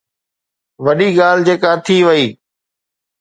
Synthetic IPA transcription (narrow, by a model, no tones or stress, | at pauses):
ʋəɗiːɠaːl̤d͡ʑeːkaːt̪ʰiːʋəiː